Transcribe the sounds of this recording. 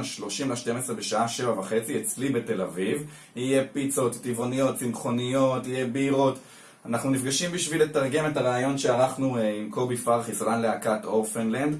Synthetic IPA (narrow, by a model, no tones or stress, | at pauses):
ʃlo̞ʃimlaʃte̞mesʁebe̞ʃaʔaʃe̞vavaχe̞t͡siet͡slibete̞laviv | ije̞pit͡so̞t̪tivo̞nijo̞tsinχo̞nijo̞tijebeiʁo̞t | anaχnunifɡaʃimbiʃviletaʁɡe̞metaʁaːjo̞nʃe̞aʁaχnuimkobifalχisuʁanleakatofenlend̪